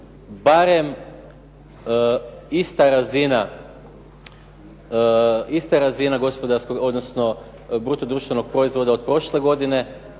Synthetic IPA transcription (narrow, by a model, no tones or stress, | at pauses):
baɾe̞m | ist̪aɾazina | ist̪aɾazinaɡo̞spo̞d̪aɾsko̞ɡo̞d̪nosno | bɾuːt̪od̪ɾuːʃt̪ʋe̞no̞ɡ̚pɾo̞izʋo̞d̪aod̪̚pɾo̞ʃle̞ɡo̞d̪ine̞